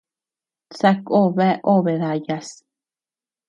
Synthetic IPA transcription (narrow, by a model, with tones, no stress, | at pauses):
t͡sa˧ko˦βɛ˦ʔo˦βe˨ða˨jas